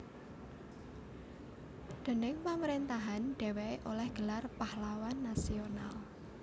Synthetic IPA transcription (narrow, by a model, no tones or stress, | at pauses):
ɖ̪̥e̤nɪŋpaməɾint̪aɦanɖ̪̥e̤weʔolɛhɡ̥ə̤larpahlawanːasional